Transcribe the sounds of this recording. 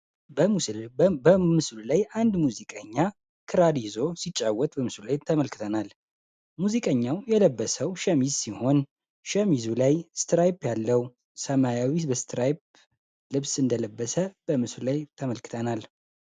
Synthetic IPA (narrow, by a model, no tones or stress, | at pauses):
bəmusəmɨslulajand̪muzikʼəɲːa | kʰɨɾad̪izo̞sit͡ʃʼːawːɔt̪ʼbəmɨslulajt̪ʰəməlkʰɨ̥t̪ʰənal | muzikʼəɲːawjɛləbːəsəwʃɛmizsiho̞n | ʃəmizulajst̪ɾajpjalːəw | səmajawibəst̪ɾajp̚ | lɨβsɨnd̪ələbːəsəb̥əmɨsllajt̪ʰəməlkʰɨ̥t̪ʰənal